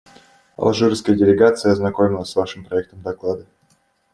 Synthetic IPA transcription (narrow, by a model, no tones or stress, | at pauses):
ɐ̰lˠʐuɾəfskəjədʲɪlʲɪɡat̪sɨjəɐznɐkomʲɪlˠəsʲvaʂɨmpɾɐɛk̚t̪əmd̪ɐklˠad̪ə